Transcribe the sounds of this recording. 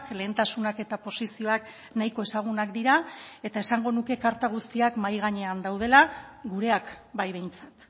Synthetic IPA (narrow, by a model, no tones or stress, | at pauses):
kle̞ːnt̪asunake̞t̪apo̞sisio̞ak | najko̞esaɣ̞unakd̪iɾae̞t̪ae̞saŋɡo̞nuke̞kaɾt̪aɣ̞ust̪iakmajɣaɲe̞and̪awð̞e̞laɡuɾe̞akbajβ̞e̞jnt͡sḁt̪